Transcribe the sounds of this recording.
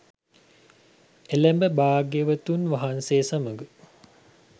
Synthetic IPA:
elæmbəbaːɡeʋət̪unʋaɦanseːsɐməɡə

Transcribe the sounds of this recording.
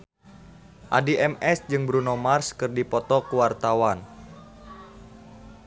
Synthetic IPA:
ʔadiʔɛmɛsd͡ʒɨŋbɾunɔmarskɨrdipɔt̪ɔkuwart̪awan

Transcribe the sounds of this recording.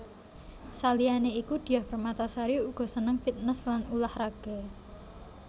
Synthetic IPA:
salianeikud̪̥i̤jahb̥ərmat̪asaɾiuɡ̥ɔ̤sənəŋfit̪̚nəslanulahraɡ̥a

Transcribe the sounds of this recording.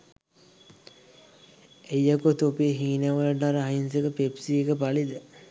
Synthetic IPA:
ejːakut̪opeːɦiːnəʋələʈaɾəainsekəpepsiːekəpalid̪ə

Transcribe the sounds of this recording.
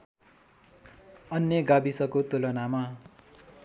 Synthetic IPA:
ʌnjʌɡabisʌkot̪olʌnama

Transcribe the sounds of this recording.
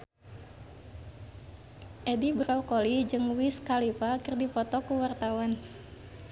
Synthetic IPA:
ʔɛdibɾɔkɔlid͡ʒɨŋwiskalipakɨrdipɔt̪ɔkuwart̪awan

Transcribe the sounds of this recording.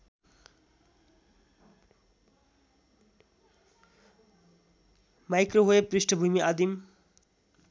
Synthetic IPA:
majkroɦoeprisʈʰʌbʱumiʔad̪im

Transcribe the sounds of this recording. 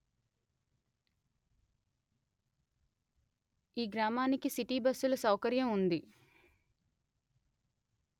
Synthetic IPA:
iːɡɾaːmaːnikisiʈiːbɐsːulɐsɐwkɐɾjɐmund̪i

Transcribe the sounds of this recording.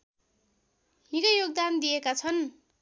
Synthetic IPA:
ɦĩkajoɡ̚d̪and̪ijekat͡sʰʌn

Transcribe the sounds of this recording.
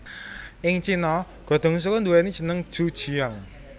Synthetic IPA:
ʔɪŋt͡ʃinɔ | ɡ̥ɔ̤d̪̥ɔ̤ŋus̬ukɔnd̪uɛnid̥ʒ̥ə̤nəŋ̥ʒ̥ṳd̥ʒ̥i̤aŋ

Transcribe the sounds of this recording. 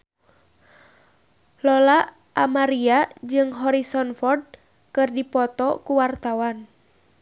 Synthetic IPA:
lɔla | ʔamaɾiad͡ʒɨŋɦɔɾisɔnfɔrd̚ | kɨrdipɔt̪ɔkuwart̪awan

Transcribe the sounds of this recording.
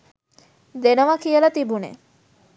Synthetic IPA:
d̪enəʋakijəlat̪ibunḛ

